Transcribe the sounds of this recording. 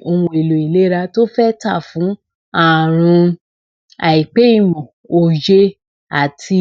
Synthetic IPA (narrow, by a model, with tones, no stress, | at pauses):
o˧ũ˧˦e˨lo˨i˨le˨˦ɾa˧to˦fɛ˦ta̰˦˨fũ˨˦ | a˦˨ɾ̃ũ˧ | a˨i˨k͡pe˨˦i˦˨mɔ̃˨ | o˨d͡ʒe˧ | a˨tʰi˧